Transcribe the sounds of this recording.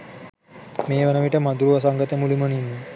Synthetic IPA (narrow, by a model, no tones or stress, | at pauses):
meːʋenəʋiʈəmad̪uɾuʋɐs̬aŋɡət̪əmuliməninːə